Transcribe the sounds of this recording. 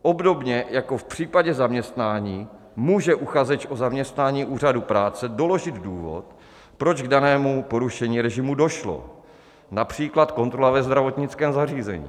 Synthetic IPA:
ʔo̞bdo̞bɲɛjako̞fpr̝̥iːpaɟɛzamɲɛst̪naːɲiː | muːʒɛʔuxazɛt͡ʃʔozamɲɛst̪naːɲiːʔuːr̝adupɾaːt͡sɛdo̞lo̞ʒɪd̪duːvo̞̰t̪ | pɾod͡ʒɡdanɛːmupo̞ɾuʃɛɲiːɾɛʒɪmudo̞ʃlo̞̰ | napr̝̥iːklat̪ko̞nt̪ɾo̞lavɛzd̪ɾavo̞t̪ɲɪt͡skɛːmzar̝iːzɛ̰ɲḭː

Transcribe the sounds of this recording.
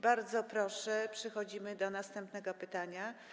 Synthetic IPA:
baɾd̪zɔpɾɔʂɛpʂɛxɔd͡ʑimɘd̪ɔnast̪ɛmpnɛɡɔpɘt̪aɲa

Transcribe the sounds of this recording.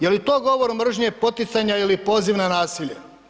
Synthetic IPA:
jelit̪oːɡo̞ʋoɾmr̩ʒɲepo̞t̪it̪saɲailipo̞ːziʋnanaːsiʎḛ

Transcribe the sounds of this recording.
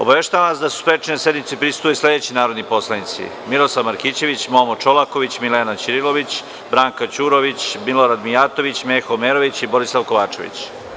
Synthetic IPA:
o̞baʋeʃt̪aʋaʋasd̪asu̥spɾet͡ʃinesjed̪mit̪sepɾisu̥t̪uisle̞d̪et͡ɕinaːɾo̞d̪nipo̞slˠanit̪sḭ | miɾoslaʋmaɾkiːt͡ɕe̞ʋit͡ɕmomot͡ʃolako̞ʋit͡ɕmileːnat͡ɕiɾilo̞ʋit͡ɕ | bɾaːŋkat͡ɕuːɾo̞ʋit͡ɕmiloɾad̪mijaːt̪o̞ʋit͡ɕmexomeːɾoʋit͡ɕibo̞ɾislˠaʋko̞ʋaːt͡ʃe̞̰ʋḭt͡ɕ

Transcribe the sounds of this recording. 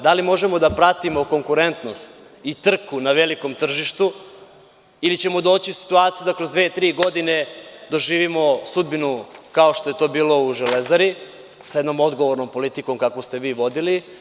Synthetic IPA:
d̪alimo̞ʒemo̞d̪apɾat̪imo̞ko̞ŋkuɾe̞nt̪no̞st̪ | it̪r̩kunaʋeliko̞mt̪r̩ʒiʃt̪u | ilit͡ɕe̞mo̞d̪o̞ːt͡ɕiusi̥t̪uaːt̪sijud̪akɾo̞zd̪ʋet̪ɾiːɡo̞d̪ine̞d̪o̞ʒiːʋimo̞sud̪̚binukao̞ʃt̪oe̞t̪o̞ːbiːlo̞uʒelezaɾi | sajed̪no̞mo̞d̪ɡo̞ʋoɾno̞mpo̞lit̪iko̞mkakʋost̪e̞ʋiːʋo̞d̪ili

